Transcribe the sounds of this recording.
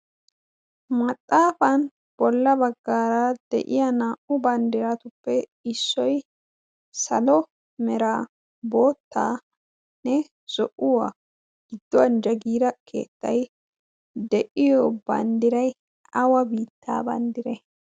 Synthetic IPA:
mɐt̪ʼːaːfɐn | b̥ɔlːɐbɐɡːaːɾad̪̥ɛ̰ʔɪjɐnaːʔʊbɐnd̪ɪɾɐt̪ʊpːɛɪsːɔj | sɐlɔ | mɛɾaː | bo̞ːt̪ːaː | nɛ | z̥ɔʔʊwa̰ | ɡ̥ɪd̪ːɔwɐnd͡ʒɐɡiːɾɐkʰe̞̰ːt̪ːɐj | d̪ɛʔɪjɔbɐ̰nd̪ɪɾɐj | ʔɐwɐbiːt̪ʰːa̰ːbɐ̰nd̪ɪɾɛ

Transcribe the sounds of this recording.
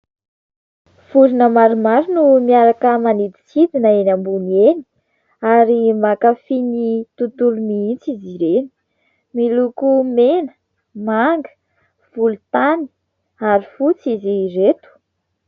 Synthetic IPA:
fuɾinəmaɾumaɾinumiaɾakəmanit̪i̥sid̪inəenambuneni̥ | aɾimakafinit̪ut̪uluniit͡siziɾeni̥ | milukumenə̥ | maŋɡə̥ | v̥ulut̪ani̥ | aɾifut͡siziret̪u̥

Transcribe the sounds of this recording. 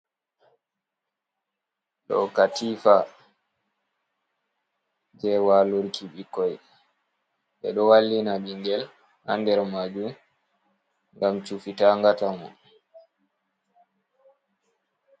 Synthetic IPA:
ɗɔ̰katiːfa | d͡ʒɛwaluɾkʰiɓikːɔj | ɓɛɗɔwalːinaɓiŋɡɛl | ha̰ndɛɾmad͡ʒum | ŋɡamt͡ʃufitaŋɡatamɔ̰n

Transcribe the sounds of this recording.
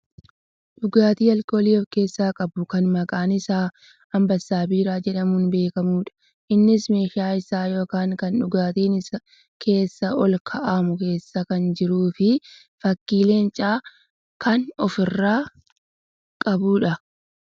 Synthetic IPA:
ᶑʊɡaːt̪iːɐlkoːliːɔfke̞ːsːaːkʼɐbʊkɐnmɐkʼaːnɪsaː | ɐmbɐsːaːbiːɾaːd͡ʒɛᶑɐmuːnbe̞ːkɐmuːᶑɐ̥ | ʔɪnːɪsme̞ːʃaːɪsaːjo̞ːkaːŋkɐnᶑʊɡaːt̪iːnɪsɐ | kʰe̞ːsːɐɔlkʰɐʔaːmʊke̞ːsːɐkɐnd͡ʒɪɾuːfɪ | fɐkːiːle̞ːnt͡ʃʼaː | kɐnɔfɪrːaː | kʼɐbuːᶑɐ

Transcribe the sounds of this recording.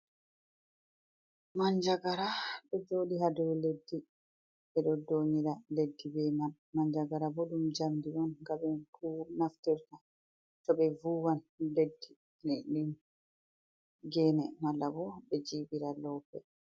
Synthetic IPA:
maɲd͡ʒaɡaɾaɗɔd͡ʒoːɗiɦadɔwledːi | ɓɛɗɔdoːɲiɾaledːibɛmal | maɲd͡ʒaɡaɾabɔɗumd͡ʒamdiʔɔnɡabɛnkunaftiɾta | tɔbɛvuːwanledːi | linin | ɡɛːnɛmalːabɔbɛd͡ʒiːbiɾalɔːpːɛ

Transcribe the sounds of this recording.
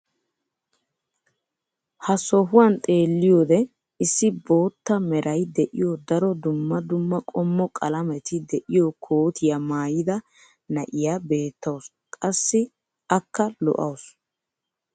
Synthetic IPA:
hɐsɔɦʊwɐnt̪ʼe̞ːlːɪjoːd̪ɛ | ɪsːɪbo̞ːt̪ːɐmɛɾʔɐjd̪ɛʔɪjɔd̪ɐɾɔd̪ʊmːɐd̪ʊmːɐkʼɔmːɔkʼɐlɐmɛt̪ɪd̪ɛʔɪjɔkʰoːt̪ɪjamaːjɪd̪ɐ | nɐʔɪjaːbe̞ːt̪ːɐws | kʼɐsːɪ | ɐkːɐlɔ̰ʔɐ̰ws

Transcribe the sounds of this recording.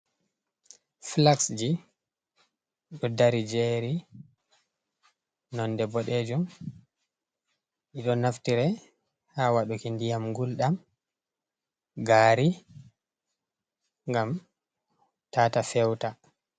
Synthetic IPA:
flaksd͡ʒi | ɗɔdaɾid͡ʒɛɾi | nɔndɛbɔɗed͡ʒum | ʔiɗɔnaftiɾɛ | hawaɗukindijamɡulɗam | ɡaːɾi | ŋɡam | taːtafɛwta

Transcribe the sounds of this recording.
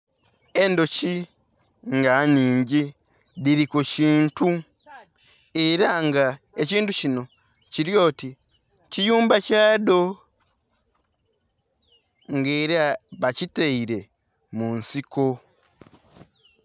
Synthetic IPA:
endo̞ci | ŋɡaɲiːɲɟi | diɾikuciːntu | eɾaŋɡa | eciːntucino̞ | ciɾjo̞ːti | cijuːmbacaːdo̞ | ŋɡeɾaβaciteiɾe̞ | munsiko̞

